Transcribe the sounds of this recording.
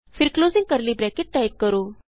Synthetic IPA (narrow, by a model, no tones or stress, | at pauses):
fʰɪɾkloːzĩŋɡkəɾlibɾɛkeʈ̚ʈajp̚kəɾoː